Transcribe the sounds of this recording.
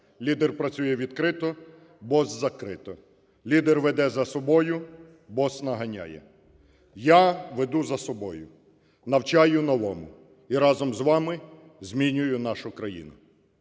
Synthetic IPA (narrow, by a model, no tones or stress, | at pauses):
lʲid̪erpɾɐt͡sʲujɛʋʲid̪kɾɪt̪ɔ | bɔzzɐkɾɪt̪ɔ | lʲid̪erʋed̪ɛzɐsɔbɔjʊ | bɔsnɐɦɐnʲa̰jɛ̰ | jaʋed̪uzɐsɔbɔjʊ | nɐwt͡ʃɑjʊnɔʋɔmʊ | iɾɑzɔmzʋɑmɪ | zʲmʲinʲʊjʊnɑʃʊkɾɐjḭnʊ